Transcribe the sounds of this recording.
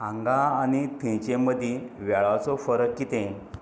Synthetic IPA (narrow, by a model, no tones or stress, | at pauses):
ãŋɡaañit̪ʰẽt͡ɕẽməd̪ʱiʋɛɭat͡sɔfəɾəkkit̪ẽ